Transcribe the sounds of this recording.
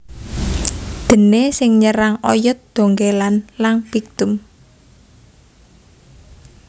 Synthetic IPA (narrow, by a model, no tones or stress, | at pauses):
d̪̥ə̤nesɪŋɲəɾaŋɔjʊt̪̚d̪̥o̤ŋɡelanlanb̥ik̚t̪ʊm